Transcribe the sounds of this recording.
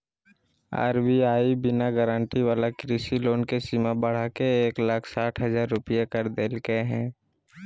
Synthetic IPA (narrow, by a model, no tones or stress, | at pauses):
a̰ːɾbiaːibɪnaɡəɾə̃ɳʈiʋaːlakɾiːsiloːnkesimabəɽ̤akeeːklakʰsaːʈʰɦəzaːɾːʊpijekəɾd̪eːlkeɦɛ̃ː